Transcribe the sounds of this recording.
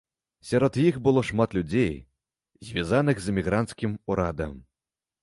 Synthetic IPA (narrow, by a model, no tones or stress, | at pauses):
sʲaɾɔt̪jixbɨlˠɔʂmat̪lʲud͡zʲej | zʲvʲazanɨɣzɨmʲiɣɾant̪skʲimuɾad̪ɐ̰m